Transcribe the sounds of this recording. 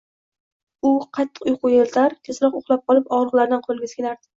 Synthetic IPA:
ʊqʰɑt̪ʰːɨ̥qʊjqʊjelt̪ʰaɾt̪ʲʰesɾɒqoχlˠap̚qʰɒlˠɪpɒʁɾɨʁlaɾd̪anqʰolˠɡʲasɪ̥kʲnaɾd̪ɪ̥

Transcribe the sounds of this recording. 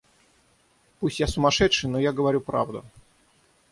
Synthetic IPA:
pusʲtʲjasʊmɐʂɛtʂɨjnojaɡəvɐɾʲupɾa̰vd̪ʊ̰

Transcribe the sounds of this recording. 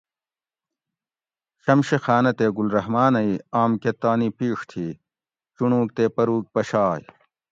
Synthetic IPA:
ɕɐmɕexaːnɐt̪eːɡulɾɐɦmaːnɐiaːmket̪aːnipiːʂt̪ʰiː | t͡ɕuɳũːk̚t̪eːpɐɾuːk̚pɐɕaːj

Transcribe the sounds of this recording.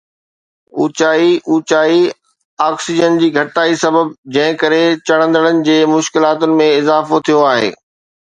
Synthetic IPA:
ṵːt͡ɕaːiuːt͡ɕaːi | aːksɪd͡ʑənd͡ʑiːɡʱɐʈʈaːisɐbəbd͡ʑɐ̃ɦɪ̃kɐɾet͡ɕɐɽ̤̃ə̃nd̪əɽənɪ̆d͡ʑeːmʊʃkɪlaːt̪ʊnɪ̆mẽɪzaːfot̪ʰijoaːɦḛː

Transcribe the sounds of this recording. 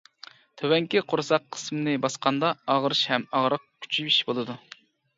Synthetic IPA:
t̪ʰøwɛŋkʲiqʰoɾsɑqʰːə̥smɨnɨbɑsqʰɑnd̪ɑɑʁɾɨʃhɛmɑʁɾəq̚kʲʰy̥t͡ʃʰibiʃbolˠɨd̪u

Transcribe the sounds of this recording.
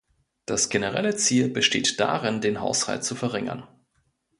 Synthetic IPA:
d̥asɡ̥enəʁɛ̰lət͡siːlbəʃteːtd̥a̰ʁɪndeːnɦa̰ʊsha̰lt̚t͡sufɛɐʁɪŋɐ̰n

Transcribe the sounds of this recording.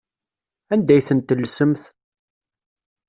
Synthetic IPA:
ænd̪æjθənt̪ːəlːsəmθ

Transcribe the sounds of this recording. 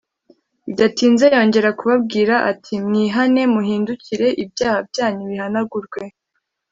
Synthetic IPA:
idatiːnzejo̞ːɲɟe̞ɾakuβab̚ɡiːɾaʔatʰimŋiːɦane̞muɦiːnduciɾe̞ʔibjaːhabɟaːɲuβihanaɡuɾɡwe̞

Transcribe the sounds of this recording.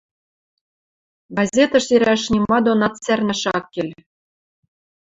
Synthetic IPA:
ɡɑzʲet̪ɑ̆ʃeɾæʃnʲimɑd̪onɑt̪særnæʃɑkːelʲ

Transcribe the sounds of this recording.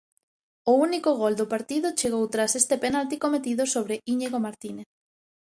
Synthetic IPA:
ʊunikʊɣ̞old̪ʊpaɾt̪iðʊt͡ʃeɣowt̪ɾasest̪epenalt̪ikomet̪iðʊsoβɾeiɲeɣomaɾt̪ineθ

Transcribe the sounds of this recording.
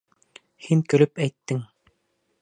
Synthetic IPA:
hiŋkɵ̆lɵpæjt̪ːɘŋ

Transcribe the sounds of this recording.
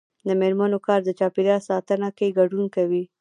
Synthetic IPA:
d̪əmeɾmanokɑɾd̪ət͡ʃɑpiɾɑsɑt̪ənakaɡaɖunkawi

